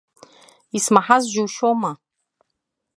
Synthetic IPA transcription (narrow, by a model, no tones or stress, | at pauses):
ismaħazʒuwʃoma